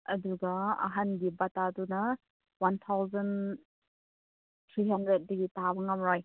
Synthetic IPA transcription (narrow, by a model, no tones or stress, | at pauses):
ɐduɡɐa̰ɦanɡibatadunɐ | want̪ʰawzɐn | tʰɾiɦɐndɾet̚dɐɡitabɐŋamɾaj